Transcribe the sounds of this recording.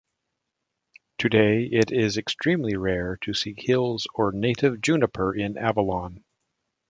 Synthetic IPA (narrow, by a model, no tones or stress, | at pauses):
tʰɨdeɪɪɾɪzɨkstɹ̥ĩmliɹɛɹɾʰɨsihɪlˠzə˞neɪɾɨvd͡ʒʉnəpʰə˞ʔɪ̃nʔævəlɑ̃n